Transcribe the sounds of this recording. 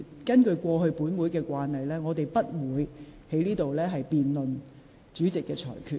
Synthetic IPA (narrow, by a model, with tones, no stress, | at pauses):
kɐ˥nkɵ˧ɥkʷɔː˧ɦɵ˧ɥpuː˨˥nwuː˨˥jkɛː˧kʷwaː˧nhɐ˨jlɛː˥ŋɔː˨˧t̪e˨˩jpɐ˥t̚wuː˨˧jhe˨˥jniː˥t̪o˨wlɛː˥ɦɐ˨jpiː˨nlɵ˨n | t͡ʃyː˨˥t͡sɪ˨kːɛː˧t͡ʃʰɔ̰ː˨˩jkʰyː˧